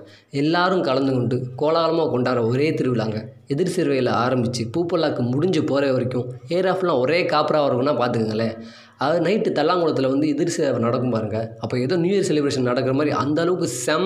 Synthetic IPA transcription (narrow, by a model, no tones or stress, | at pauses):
ɛlːaːɾɯmkɐlɐnd̪ɯkɔɳɖɯkoːlaːlɐmaːkɔɳɖaːɾɐɔɾeːt̪ɪɾɯʋɪlaːŋɡɐ | ɛðɪɾsiːɾʋɐjɪlɐaːɾɐmbɪt͡ʃːɯpuːpːɐlaːkːɯmʊɽɪɲd͡ʒɯpoːɾɐʋɐɾɪkʲːʊ̃eːɾaːflãːɔɾeːkaːpɪɾaːʋɐɾʋɐnãːpaːɾt̪ɯŋɯŋɡɐlːe | ɐnɐɪʈːɯt̪ɐlːaːŋɡɯɭɐt̪̬ːɪlɐʋɐnd̪ɯɛðɪɾseːɾɐʋɐnɐɽɐkːɯmpaːɾɯŋɡɐɐpːoːɛðoːnjuːjɐɾsɛlɪbɾeːʂɐnnɐɽɐkːɯɾɐmaːd̪ɾḭʔɐ̰nd̪ɐlɐʋɯkːɯsɛm